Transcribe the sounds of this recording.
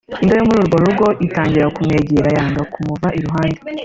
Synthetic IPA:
indajomuɾuːɾɡo̞ɾuɾɡo̞ʔitaːɲɟiɾakumŋe̞ːɟeɾajaːnɡakumuvaʔiɾuɦaːnde

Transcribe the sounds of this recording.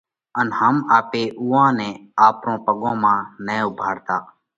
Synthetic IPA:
ənhəmaːpeːʔuːãːnɛ̃ːaːpɾõːpəɠõːmãːnɛːʊbʱaːɽt̪aː

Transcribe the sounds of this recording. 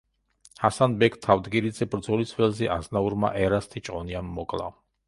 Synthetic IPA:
hasanbɛkʰt̪ʰavd̪ɡiɾid̪zɛbɾd̪zɔlisvɛlzɛʔaznauɾma̰ʔɛɾast̪ʰit͡ʃʼqʼɔniamːɔkʼlˠa̰

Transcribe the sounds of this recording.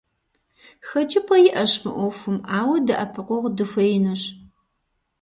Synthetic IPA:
xɐt͡ʃʼɪpʰʼɐjɪʔɐɕmɨ̰ʔʷɔfɨmʔaːwɐdɐʔɐpʰɨqʷɔʁdɨfʷɐjɪnɐɕ

